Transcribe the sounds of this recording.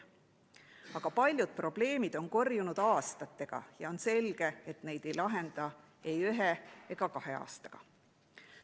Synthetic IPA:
ɑɡ̥ɑpɑlʲjud̪̥̚pro̞b̥le̞ːmid̪̥o̞nko̞rjunud̪̥ɑːst̪ɑt̪ːe̞ɡ̥ɑ̰jɑo̞nse̞lɡ̥e̞et̪ne̞jd̪̥e̞jlɑɦe̞nd̪̥ɑ | e̞jøɦeeɡ̥ɑkɑɦe̞ɑ̰ːst̪ɑ̥ɡ̥ɑ̰

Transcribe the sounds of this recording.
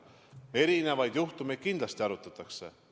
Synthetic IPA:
e̞ɾine̞vɑjd̪juht̪umed̪̚kind̪lɑst̪iɑɾut̪ːˑɑt̪ːˑɑkse̞̰

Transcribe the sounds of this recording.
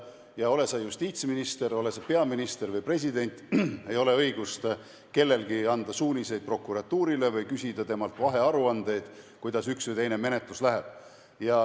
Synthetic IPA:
jɑo̞le̞sɑjust̪iːt̪sminist̪e̞ɾo̞le̞sɑpe̞ɑminist̪e̞ɾvɯjpre̞s̬ʲid̪e̞nʲt̪ːˑe̞jo̞le̞ɤjɡ̥ust̪ | ke̞lːe̞lɡiɑnd̪̥ɑsuːnʲise̞jd̪̥̚pro̞kːuɾɑt̪ːuːɾile̞vɤjkysʲid̪̥ɑt̪e̞mɑlt̪ˑvɑɦe̞ɑɾuɑnd̪̥e̞jd̪̥kujd̪ɑsyksvɯjt̪e̞jne̞me̞net̪luslæɦeb̥̚ | jɑ

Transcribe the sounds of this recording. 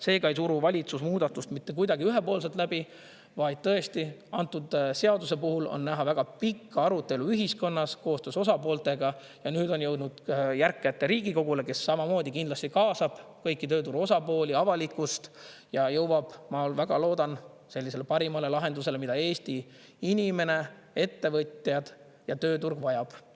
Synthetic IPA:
se̞ːkɑeijsuɾuvɑlʲit̪susmuːd̪̥ɑt̪ːˑust̪mit̪ːe̞k̬ujd̪ɑɡ̥iyɦepo̞ːls̬et̪læbi | vɑjd̪̥̚t̪ɤest̪iɑnt̪ːˑud̪̥se̞ɑd̪use̞puhulo̰nːæɦɑvæɡ̥ɑpikːɑɑɾut̪ːˑe̞luyɦisko̞nːɑsko̞ːst̪ø̞ːso̞sɑpo̞ːlt̪e̞ɡɑ | jɑnyːd̪o̞njɤwd̪nud̪̥jærkːˑet̪ːˑeɾiːɡiko̞ɡ̥ule̞ke̞sːɑmɑmo̞ːd̪ʲikind̪lɑst̪ikɑːsɑb̥kɤjkːˑit̪ø̞ːt̪uɾo̞sɑpo̞ːlʲiɑvɑlikːˑust̪jɑjɤwwɑb̥mɑlvæɡ̥ɑlo̞ːd̪ɑn | se̞lːis̬e̞le̞pɑɾimɑle̞lɑɦe̞nd̪use̞lemid̪̥ɑe̞ːst̪i | inʲime̞ne̞ | e̞t̪ːe̞vɤt̪ʲˑjɑd̪̥ | jɑt̪ø̞ːt̪urɡ̥vɑjɑb̥

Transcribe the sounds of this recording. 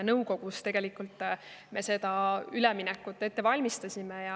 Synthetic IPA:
nɤwko̞ɡ̥ust̪e̞ɡ̥e̞likːˑult̪ːˑme̞se̞d̪̥ɑyleminɛkːˑut̪ˑːe̞t̪ːe̞vɑlʲmist̪ɑsʲimejɑ

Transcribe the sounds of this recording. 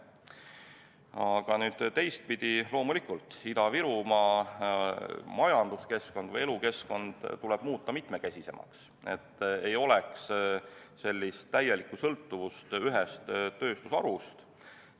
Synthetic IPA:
ɑɡ̥ɑnyːd̪̥t̪e̞jst̪̚pid̪̥ilo̞ːmulikult̪ˑid̪ɑviɾumɑ | mɑjɑnd̪̥uske̞sko̞nd̪̥vɤje̞luke̞sko̞nd̪̥t̪ːulɛb̥muːt̪ˑːɑmit̪me̞kæsʲise̞̰mɑ̰ks | e̞̰t̪ːe̞jo̞lɛks | se̞lʲːist̪ːæje̞likːˑusɤlt̪ːuvust̪yɦɛst̪ːø̞ːst̪usɑ̰ɾust̪

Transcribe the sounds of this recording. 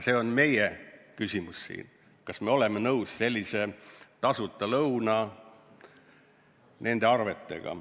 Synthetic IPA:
se̞o̞nme̞jekysʲimussḭːn | kɑsme̞o̞le̞menɤwsse̞lʲːise̞t̪ɑsut̪ːˑɑlɤwnɑ | nʔe̞nd̪̥e̞ɑrve̞t̪ˑːe̞̰ɡ̥ɑ̰

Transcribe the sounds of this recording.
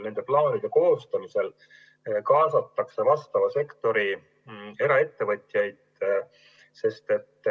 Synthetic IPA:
ne̞nd̪̥e̞plɑːnid̪̥e̞ko̞ːst̪ɑmise̞l | kɑːsɑt̪ːɑkse̞vɑst̪ɑvɑse̞kt̪o̞ɾi | e̞ɾɑe̞t̪ːe̞vɤ̞t̪ʲˑjɑjd̪̥ | se̞st̪e̞t̪ːˑ

